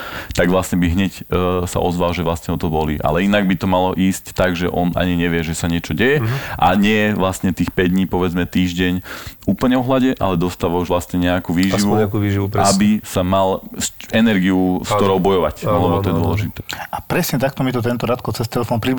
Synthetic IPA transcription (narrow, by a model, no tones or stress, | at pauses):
t̪aɡʋlast̪ɲɛbiɦɲɛcsa̰ʔɔzʋalʒɛʋlasɲɛɔt̪ɔbɔliʔa̰lɛinaɡ̚bit̪ɔmalɔʔiːsct̪aɡʒɛʔɔnʔa̰ɲiɲɛʋɪɛʒɛsaɲɪɛt͡ʃɔɟɛjɛʔaɲɪɛjɛʋlast̪ɲɛt̪iːxpɛɟd̪ɲiːpɔʋɛd͡zmɛt̪iːʒɟɛɲuːpl̩ɲɛɔɦlaɟɛʔa̰lɛd̪ɔst̪aːʋauʒʋlast̪ɲɛɲɛakuːʋiːʒiʋuɛakuʋiːʒiʋupɾabisamalsɛnɛɾɡiuskt̪ɔɾɔʊbɔjɔʋaclɛbɔt̪ɔjɛd̪ɔlɛʒit̪ɛːapɾɛsɲɛt̪ak̚t̪ɔmit̪ɔt̪̬ɛnt̪ɔɾat̪kɔt͡sɛst̪ɛlɛfɔnpɾi